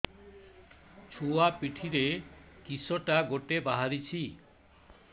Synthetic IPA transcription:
t͡ɕʰuapiʈʰiɾekisoʈaɡoʈebaɦaɾit͡ɕʰi

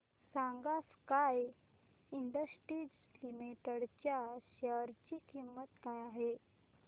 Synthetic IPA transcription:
saŋɡaskaj | iɳɖəsʈɾid͡z | limeʈəɽt͡ɕjaɕəɾt͡ɕiːkimːət̪kajaɦe

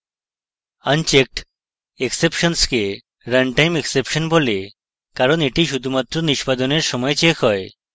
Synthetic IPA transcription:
ənt͡ɕek̚ʈ | eksepʃonske | ɾənʈajmeksepʃonbole | kaɾoneʈiʃud̪ʱumat̪ːɾoniʃpad̪oneɾʃɔmɔet͡ɕekɦɔe

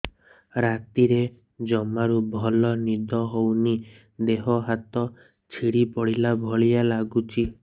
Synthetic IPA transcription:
ɾat̪iɾe | d͡ʒɔmaɾubʱɔlɔnid̪ɔɦowni | d̪eɦɔɦat̪ɔ | t͡ʃʰiɽipɔɽilabʱɔɭijalaɡut͡ʃʰi

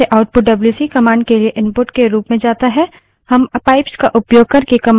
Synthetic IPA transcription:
eʔaʊʈ̚pʊʈ̚ɖɐbljuːsiːkɐmãːɳɖ̚kelieʔɪ̃mpʊʈkeɾuːpmẽd͡ʒaːt̪aɦɛ | hɐmpaːɪpskaʔʊpjoːɡ̚kɐɾkekɐm

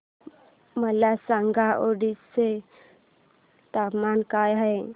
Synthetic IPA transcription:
məlasaŋɡaʔoɖisse | t̪apmankajɦəj

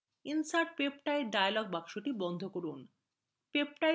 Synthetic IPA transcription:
insaʈ̚pepʈajɖajalɔɡ̚bakʃoʈibɔnd̪ʱokoɾun | pep̚ʈa

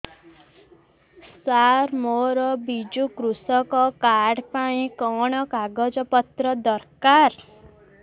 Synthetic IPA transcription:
saɾmoɾɔbid͡ʒukɾusɔkɔkaɖpaĩkɔɽ̃ɔkaɡɔd͡ʒɔpɔt̪ɾɔd̪ɔɾkaɾ

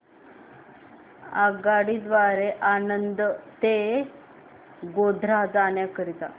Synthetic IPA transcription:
aɡaɽid̪ʋaɾeʔanənd̪ət̪e | ɡod̪ʱɾad͡zanjakəɾit̪a̰

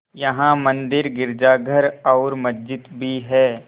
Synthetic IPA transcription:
jɐɦãmə̃nd̪ɪɾɡɪɾd͡ʒaːɡʱəɾɔːɾmɐsd͡ʒɪt̪bʱiɦɛː

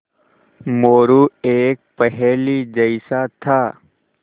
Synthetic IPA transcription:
moːɾueːk̚pɛɦɛlid͡ʒəɪsat̪ʰaː

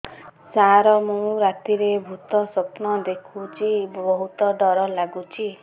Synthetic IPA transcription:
saɾɔmũɾat̪iɾebʱut̪ɔsɔpnɔd̪ekʰut͡ʃʰibɔɦut̪ɔɖɔɾɔlaɡut͡ʃʰi

